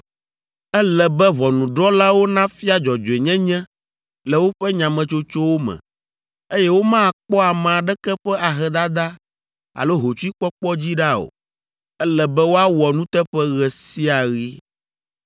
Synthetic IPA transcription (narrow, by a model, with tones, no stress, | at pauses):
ɛ˦lɛ˨bɛ˦βɔ˨nũ˨ɖɔ˦la˦wo˦nã˦fi˦a˦d͡ʒɔ˨d͡ʒo˨e˨ɲɛ̃˦ɲɛ̃˦ | lɛ˨wo˦ɸɛ˦ɲã˨mɛ̃˨t͡ʃo˦t͡ʃo˦wo˦mɛ̰̃˨ | e˦jɛ˦wo˦mã˦˨k͡pɔ˦a˨mã˨a˨ɖɛ˦kɛ˦ɸɛ˦a˨ɦɛ˨d̪a˦d̪a˦ | a̰˨lo˦ɦo˨t͡ʃu˦i˦k͡pɔ˦k͡pɔ˦d͡ʑi˦ɖa˦o̰˨ | ɛ˦lɛ˨bɛ˦wo˦a˦wɔ˨nũ˦t̪ɛ˦ɸɛ˦ɣɛ˨si˦a˨ɣi˦